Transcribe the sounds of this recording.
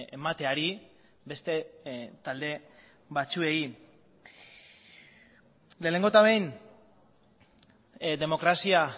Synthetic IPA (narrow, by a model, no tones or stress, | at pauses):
emat̪e̞aɾi | be̞st̪et̪ald̪e̞ | βat͡sue̞i | le̞ːne̞ŋɡo̞t̪aβejn | d̪e̞mo̞kɾasia